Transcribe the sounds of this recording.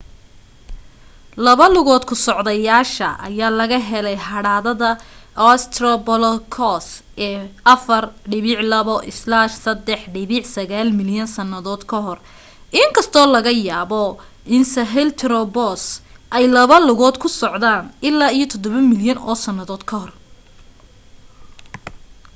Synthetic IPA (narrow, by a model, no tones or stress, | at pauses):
lɐβɐlʊɣɔːd̪kʰʊsɔʕðɐjaːʃɐʔɐ̰jaːlɐɣɐɦɛlɛjhɐɽaːðɐðɐɔst̪ʰrɔbɔlkʰɔsɛːʔɐfɐrɖɪβɪʕlɐβɔʔɪslaʃsɐd̪ɛħɖɪβɪʕsɐɣaːlmɪljɐnsɐnːɐðɔːd̪kʰɐɦɔr | ʔɪŋkʰɐst̪ʰɔːlɐɣɐjaːβɔ | ʔɪnsɐɦɛlt̪ʰɾɔbɔsʔɛjlɐβɐlʊɣɔːd̪kʰʊsɔʕðaːnɪlːaːijɞt̪ʰɔd̪ɔβɐmɪljɐnɔ̰ːsɐnːɐðɔːd̪kʰɐhɔr